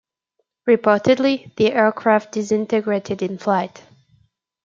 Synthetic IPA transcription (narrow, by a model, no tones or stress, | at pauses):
ɹɨpʰɔɹɾɨdˡliðiʔɛɹkʰɹ̥æf̚d̥ɨsɪ̃ntɨɡɹeɪɾɨɾɨ̃nflaɪt